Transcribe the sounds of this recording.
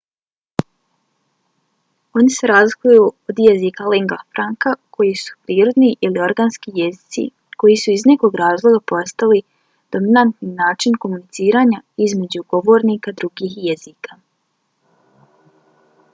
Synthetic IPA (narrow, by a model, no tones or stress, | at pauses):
o̞nise̞ɾazlˠikujuod̪jezikaleŋɡafɾaŋkakʰo̞jisu̥pɾiːɾo̞d̪niʔilio̞ɾɡanskijezit̪sḭ | ko̞jisuizne̞ko̞ɡɾaːzlˠo̞ɡapo̞st̪ali | d̪̥o̞minant̪ninaːt͡ʃinko̞munit̪siːɾaːɲaizme̞d͡ʑuɡo̞ʋo̞ːɾniːkad̪ɾuɡiːhjezika